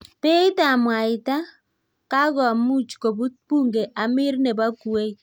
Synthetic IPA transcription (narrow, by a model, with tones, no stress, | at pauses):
pe˦i˦ta˨mwa˨ɪ˨ta˦ | ka˦ɣɔ˨a˨mu˦t͡ʃko˨βu˦pu˦ŋɡe˨ʔa˨mɪ˦ɾne˨ba˦ku˨e˦i˦˨